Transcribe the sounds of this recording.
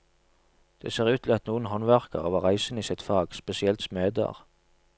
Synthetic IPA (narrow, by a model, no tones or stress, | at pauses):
d̪̥ḛːseːʁʉːt̪ʰlɛɑt̪nuːənhɔnʋæʁkəʁoːʋəʁæɪsən̩iːsɪt̪fɑːɡspɛsɪɛlt̪smeːd̪ə̰ʁ